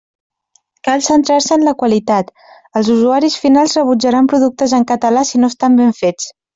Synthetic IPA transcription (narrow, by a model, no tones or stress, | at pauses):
kalˠsənt̪ɾaɾsəːnləkwəlit̪at̪ | əlˠzuzuaɾisfinalˠzrəβud͡ʒəɾampɾuðuk̚t̪əzəŋkət̪əlasinoəst̪ambeɱfet͡s